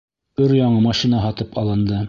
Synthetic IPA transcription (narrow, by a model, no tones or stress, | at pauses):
ɵɾjɑɴɤmɑʃinɑɦɑt̪ɤpɑlˠɤ̆nd̪ɤ